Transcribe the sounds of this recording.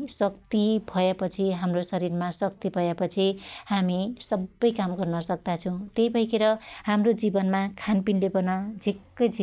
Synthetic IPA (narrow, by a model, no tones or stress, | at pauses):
sʌkt̪ibʱʌepʌt͡sʰiɦamrosʌɾirmasʌk̚t̪ibʱʌjapʌt͡sʰihamisʌbːʌjkamɡʌrnʌsʌk̚d̪at͡sʰʌw̃t̪ejbʱʌikeɾʌɦamrod͡zibʌnmakʰanpinlebʌnʌd͡zʱikːʌjd͡zʱi